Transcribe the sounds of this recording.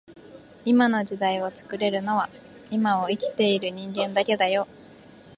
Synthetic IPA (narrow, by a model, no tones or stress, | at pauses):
imano̞d͡ʑid̪aio̞t͡sɨ̥kɯ̟ɾe̞ɾɯ̟no̞βa | imaoikʲi̥t̪e̞iɾɯ̟ɲ̟ĩŋɡẽ̞nd̪ake̞d̪ajo̞